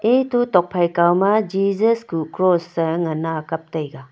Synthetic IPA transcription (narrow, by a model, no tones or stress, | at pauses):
etutɔk̚pʰajkawmad͡ʒid͡ʒɐskukɾosːɐŋɐnaːkɐp̚tɐjɡa